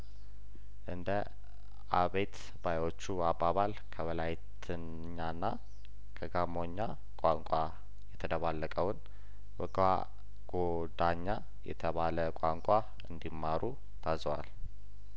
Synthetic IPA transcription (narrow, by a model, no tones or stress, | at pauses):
ʔɨnd̪ə | aβe̞t̪ | bajwo̞t͡ʃːuabːaβal | kʰəβəlajt̪ʰɨn | ɲːanːa | kʰəɡamo̞ɲːa | kʷʼaŋkʷʼa | jɛt̪ʰəd̪əβalːəkʼəwn | bəɡa̰ | ɡ̥o | d̪aɲːa | jɛ̰t̪ʰəβaləkʼaŋkʷʼa | ɨnd̪imːaɾu | t̪ʰazəwal